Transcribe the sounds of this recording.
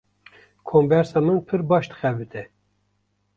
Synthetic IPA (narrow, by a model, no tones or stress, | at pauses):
kʰonvɛɾsɑmɨnpʰɨɾbɑːʃd̪ɨ̥xɛbɨt̪ʰɛ